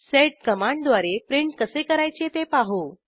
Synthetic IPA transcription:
seʈ̚kəmaɳɖd̪ʋaɾepɾiɳʈkəsekəɾajt͡ɕet̪epaɦo

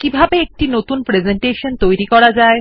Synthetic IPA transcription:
kibʱabeek̚ʈinot̪unpɾed͡ʑeɳʈeʃont̪ojɾikɔɽad͡ʑae

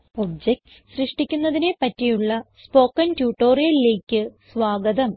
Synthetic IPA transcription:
obd͡ʑekʈ | ɕrɨʂʈikʲːunːɐðine̞pɐtːijuɭːɐspo̞ːkːɐntjuːʈːo̞ːrijɐlile̞ːkʲːɨsʋaːɡɐðɐm

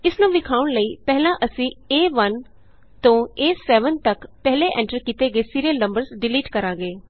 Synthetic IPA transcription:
ɪsnũːʋɪkʰaːʊɳləiːpɛɦlãːʔəsĩːeːʋən | t̪õːeːsɛːʋənt̪əkpɛɦleʔɛ̃ːɳʈəɾkiːt̪eːɡeːsiːɾiəlnə̃mbəɾsɖɪliːʈkəɾaːɡeː

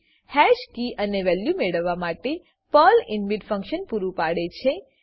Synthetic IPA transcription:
hɛʃkiʔəneʋɛljumeɽəʋːamaʈe | pəlɪnmiɖfə̃ŋkʃənpuɾũpaɽet͡ʃʰe

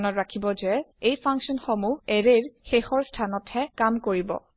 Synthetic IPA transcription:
nɔtɹakʰibɔzɛejpʰaŋksɔnxomuɛɹeɹxexɔɹstʰanɔthɛkamkoɹibɔ̰

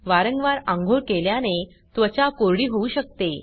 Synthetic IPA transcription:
ʋaɾəŋɡʋaɾãŋɡʱoɾkeljane | t̪ʋət͡ɕakoɾɽiːɦouɕək̚t̪e

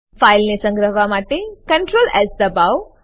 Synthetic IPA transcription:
fajlnesə̃ŋɡɾəɦʋamaʈekə̃ɳʈɾoːlɛzd̪əbaw

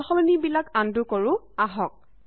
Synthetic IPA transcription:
xɔlɔnibilakandukɔɹʊ | aɦɔk̚

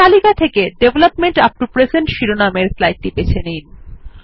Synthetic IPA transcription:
alikat̪ʰekeɖebʱlapmeɳʈap̚ʈupɾesenʈʃiɾonameɾslaj̚ʈ̪ːipet͡ɕʰenijn

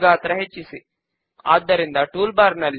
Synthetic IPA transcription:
ɡaːt̪ɾɐɦet͡ʃːisi | a̰ːd̪ːɐɾind̪ɐʈuːlbaːɾnɐlː

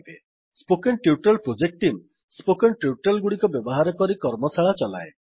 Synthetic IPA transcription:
be | spokenʈiuʈɔlpɾod͡ʒek̚ʈim | spokenʈiuʈalɡuɽikɔbjɔbɔɦaɾɔkɔɾikɔɾmɔsaɭat͡ʃɔla̰e

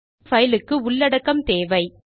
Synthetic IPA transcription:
fɐjɪlɯkːɯʊɭːɐɽɐkːɐmt̪eːʋɐɪ

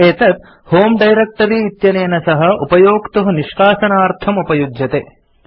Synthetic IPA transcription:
eːt̪ɐt̪̚ | hoːmɖɐjɾek̚ʈɐɾiːt̪jɐneːnɐsɐɦɐ̆upɐjoːkt̪uɦɐniʃkaːʃɐnaːɾt̪ʰɐmupɐjud͡ʒjɐt̪eː

